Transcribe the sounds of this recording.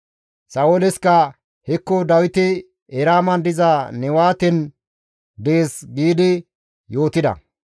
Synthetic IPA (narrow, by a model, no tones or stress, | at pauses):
sɐwolɛskɐ | hɛkːɔd̪ɐwɪt̪ɪ | ɛɾaːmɐnd̪ɪzɐnɛwaːt̪ɛn | d̪eːsɡiːd̪ɪ | jo̞ːt̪ɪd̪ɐ̰